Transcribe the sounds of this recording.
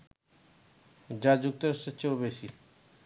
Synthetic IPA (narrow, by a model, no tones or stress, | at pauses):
d͡ʑad͡ʑuk̚t̪oɾset͡ɕʰeobeʃi